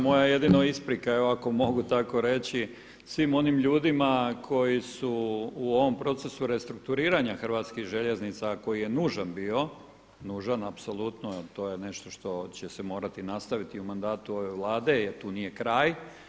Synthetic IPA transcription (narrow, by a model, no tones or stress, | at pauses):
mo̞jaje̞d̪inoispɾikaeoako̞mo̞ɡut̪ako̞ɾe̞t͡ɕi | sʋimo̞nimʎuːd̪imakʰo̞jisuːo̞ʋo̞mpɾo̞t̪se̞suɾe̞st̪ɾuk̚t̪uɾiːɾaɲaxr̩ʋaːt̪skiɣʒeʎe̞znit̪sako̞jije̞nuːʒanbiːo̞ | nuːʒanapso̞lut̪not̪o̞ːje̞ne̞ʃt̪o̞ʃt̪o̞t͡ɕesemo̞ːɾat̪inast̪aʋit̪iumand̪aːt̪uo̞ʋe̞ʋlˠaːd̪e̞jeɾt̪uːnije̞kɾaːj